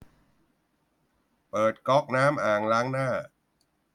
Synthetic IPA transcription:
pɤː˨˩t̪̚kɔ˦˥k̚naː˦˥mʔaː˨˩ŋlaː˦˥ŋnaː˥˩

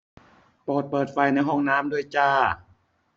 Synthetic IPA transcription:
poː˨˩t̪̚pɤː˨˩t̪̚fa˧˩jna˧˥˩jɦɔː˥˩ŋnaː˦˥mdu˧˩jt͡ɕaː˧˩

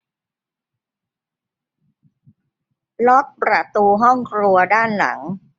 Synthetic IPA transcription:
lɔ˦˥k̚pɾa˨˩t̪uː˧ɦɔ˥˩ŋkʰɾu˧ɐdaː˥˩nla̰˩˦ŋ

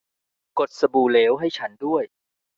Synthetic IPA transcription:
ko˨˩t̪̚sa˧buː˨˩leː˩˦wɦa˥˩jt͡ɕʰa˦˥ndu˥˩əj

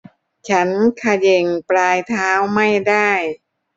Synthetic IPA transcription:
t͡ɕʰa˦˥nkʰa˧je˧˩ŋplaː˧jt̪ʰaː˦˥wma˥˩jdaː˥˩j

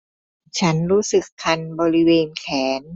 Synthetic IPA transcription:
t͡ɕʰa˦˥nɾuː˦˥sɯ˨˩kʰːa˧nbɔː˧ɾi˦˥weː˧nkʰɛː˩˦n

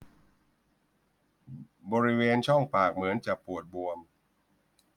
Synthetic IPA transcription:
bɔː˧ɾi˦˥weː˧nt͡ɕʰɔ˥˩ŋpaː˨˩k̚mɯ˩˦ənt͡ɕa˨˩pu˨˩ət̪̚bu˧əm

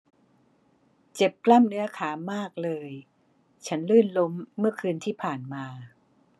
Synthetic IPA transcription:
t͡ɕe˨˩p̚kla˥˩mnɯ˦˥ɐkʰaː˩˦maː˥˩k̚lɤː˧j | t͡ɕʰa˦˥nlɯː˥˩nlo˦˥mːɯ˥˩ɐkʰɯː˧nt̪ʰiː˥˩pʰaː˨˩nmaː˧

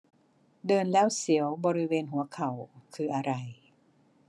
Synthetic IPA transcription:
dɤː˧nlɛː˦˥˩wsi˩˦əwbɔː˧ɾi˦˥weː˧nɦu˨˩˦ɐkʰa˨˩wkʰɯː˧˩ʔa˧ɾa˧j

